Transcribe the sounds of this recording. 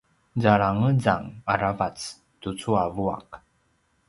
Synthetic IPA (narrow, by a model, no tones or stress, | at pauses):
zaɭaŋəza̰ŋaɾavat͡s | tut͡suavua̰k